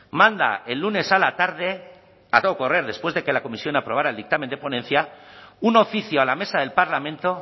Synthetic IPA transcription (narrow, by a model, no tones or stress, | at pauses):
mãnd̪a̰e̞lːune̞salat̪aɾðe̞ | at̪ooko̞re̞ɾðe̞spwe̞zðe̞ke̞lako̞misjo̞napɾo̞β̞aɾaeld̪ik̚t̪amẽnd̪epo̞nẽ̞n̟θjauno̞fiθjoalame̞saðe̞lpaɾlamẽ̞nt̪o̞